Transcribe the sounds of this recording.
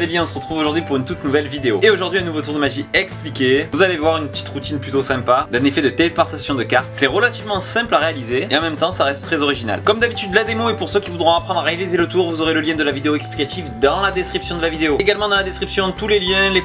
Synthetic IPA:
levjɛ̃ɔ̃səʁət̪χuvoʒuʁd̪ɥipuʁynt̪ut̪nuvɛlvid̪eo̰eoʒuʁd̪ɥiɛ̃nuvot̪uʁd̪əmaʒiɛksplikʲevuzalevwaʁynpət̪i̥t̪ʁut̪inplyt̪osɛ̃pad̪ɛ̃nefɛd̪ət̪elepaʁt̪asjɔ̃d̪əkaʁt̪sɛʁəlat̪ivmɑ̃sɛ̃plaʁealizeːɑ̃mɛmt̪ɑ̃saʁɛst̪ːχɛzɔʁiʒina̰lkɔmd̪abit̪yd̪lad̪emoepuʁsøkʲivud̪ʁɔ̃apχɑ̃d̪ʁaʁealizelət̪uʁvuzoʁeləljɛ̃d̪əlavid̪eoɛksplikat̪ifd̪ɑ̃lad̪ɛskχipsjɔ̃d̪əlavid̪eoeɡalmɑ̃d̪ɑ̃lad̪ɛskχipsjɔ̃t̪uleljɛ̃le

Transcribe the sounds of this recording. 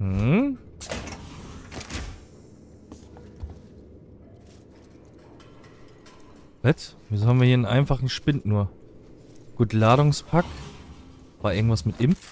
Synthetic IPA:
hm̩ | vɛt | viːzohabmviɐhiɐnənʔa̰ɪnfaχn̩ʃpɪntnuːɐ | ɡ̥uːtlaːɾʊŋspʰak | vaːɪɐɡŋ̩tv̥asmɪtʔɪmf

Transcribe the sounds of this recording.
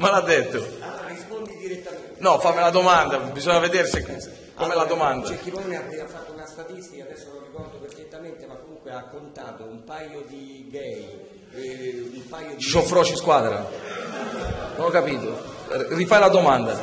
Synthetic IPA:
malad̪ːet̪ːoaaispond̪id̪iɾet̪ːa | nɔfamːilad̪omand̪abizɔɲːaved̪eːɾsek | kːomɛlad̪omand̪at͡ʃɛkːinead̪eafat̪ːounast̪at̪ist̪ikaːd̪ɛsːonorikɔrd̪operfet̪ːament̪emakːomuŋkweakːont̪aːt̪oumpajod̪i | ɡɛj | umpajot͡ʃisɔfɾɔːt͡ʃiskwaːd̪ɾa̰ | nonɔkːapiːt̪orifajlad̪omand̪a̰

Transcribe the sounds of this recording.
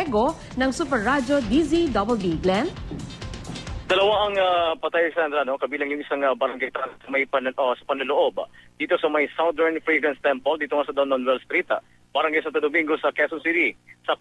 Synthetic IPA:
ɡo | nɐŋsupɛɹːad͡ʒod̪izid̪obɛlbiɡlan | d̪̥ɐlɐwaʔɐŋapɐt̪ajsand̪ɾɐno̞kɐbiːlɐŋjʊŋʔɪsaŋɐbɐɾɐŋɡajt̪aːnɐsɐmɐjpɐnɐʔosɐpɐnlɐloʔo̞bd̥̪iːt̪o̞sɐmɐjsawd̪ɛɹnfɹiɡɾɐnst̪ɛmpold̪iːt̪oŋasɐd̪ɐwnonwɛlst̪ɾit̪a | b̥ɐɾɐŋɡajsant̪ɐd̪ʊmiŋɡo̞sɐkɛsonsit̪isɐ

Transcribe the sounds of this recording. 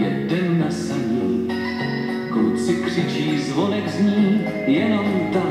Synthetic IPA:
ɛdɛnːasɛmɲiː | kt͡sɪkr̝̥ɪt͡ʃiːzvonɛkzɲiː | jɛnomt̪a

